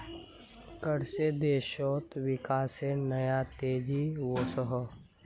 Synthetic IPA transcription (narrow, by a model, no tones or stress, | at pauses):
kəɾsed̪eːʃoːt̪ʋɪkaːsenəjat̪eːd͡ʒiwoːsəɦ